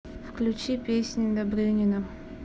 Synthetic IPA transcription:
fklʲʊt͡ɕipʲesʲnʲɪd̪ɐbɾʲɪnʲɪnə

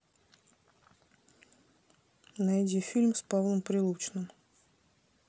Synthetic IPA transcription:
nɐjdʲifʲilʲmspavlˠəmpɾʲɪlˠut͡ɕnɨm

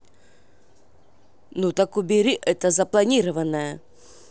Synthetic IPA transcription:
nut̪ɐkʊbʲɪɾʲiʔɛt̪əzəplˠɐnʲiɾəvənːəjə

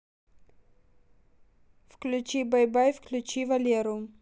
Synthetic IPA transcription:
fklʲʉt͡ɕibɐjbajfklʲʉt͡ɕivɐlʲeɾʊ

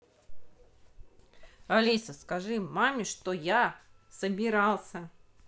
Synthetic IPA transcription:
ɐlʲisəskɐʐɨmamʲɪʂt̪oja | səbʲɪɾɑlˠsʲə

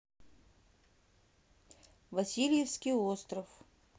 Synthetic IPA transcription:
vɐsʲilʲjefskʲijost̪rəf

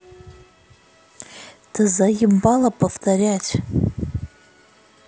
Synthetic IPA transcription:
tʰɨzajɪmbalapʰʼaftʰaɾʲatʲʼ

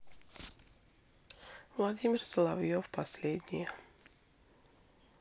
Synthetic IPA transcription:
vlˠad̪ʲimʲirslˠavjofpaslʲed̪ʲnʲijə

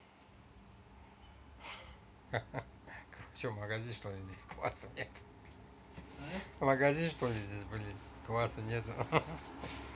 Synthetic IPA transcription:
kfsomɐɡazʲinʂt̪olʲɪzʲdʲesʲkva̰sɨnʲet̪ʊ̥ | mɐɡɐzʲinʂt̪olʲɪzʲdʲesʲbɨlʲɪ | kvasɨnʲet̪ʊ

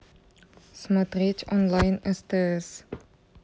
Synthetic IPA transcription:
smɔtrit͡ʃɔ̃nlajnəstəs

